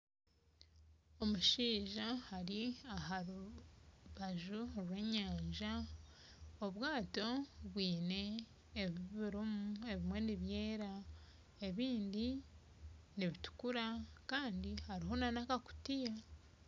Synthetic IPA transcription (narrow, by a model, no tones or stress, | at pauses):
o̞muʃiːʒahaɾiaɦaɾu | βaʒuɾwe̞ɲaːɲʒa | oβwaːto̞βwiːne̞ː | βiβiɾumue̞βimwe̞niβje̞ːɾa | e̞βiːndi | niβitu̥kuɾakaːndihaɾiɦo̞nanakaku̥tija